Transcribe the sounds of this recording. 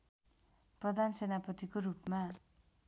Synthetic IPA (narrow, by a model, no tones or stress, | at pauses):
prʌd̪ʱansenapʌt̪ikorupma